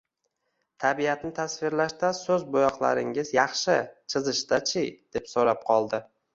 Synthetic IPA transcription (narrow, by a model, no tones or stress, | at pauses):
t̪ʰabijat̪nɪt̪ʰasfɪɾlaʃt̪asɵzbʊjɒqlˠa̰ɾɪŋɪzjɑχʃɪt͡ʃʰɪzɪʃd̪at͡ʃʰɪjd̪̥e̞psoɾap̚qʰɒlˠd̪ɪ